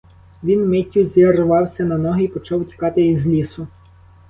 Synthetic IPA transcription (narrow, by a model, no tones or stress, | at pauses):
ʋʲinmɪtʲːʊzʲerʋɑwsʲɐnɐnɔɦɪpɔt͡ʃɑwtʲi̥kɑt̪ɪizʲlʲisʊ